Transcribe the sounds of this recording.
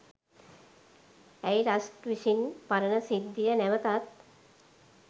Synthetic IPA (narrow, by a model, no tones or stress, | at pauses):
ɛjɾasʈʋiʃinpaɾənəsid̪ʱːijənæʋət̪at̪̚